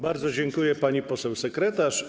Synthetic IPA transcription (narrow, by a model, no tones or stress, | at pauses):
baɾd̪zɔd͡ʑɛŋkujɛpaɲipɔsɛwsɛkɾɛt̪aʂ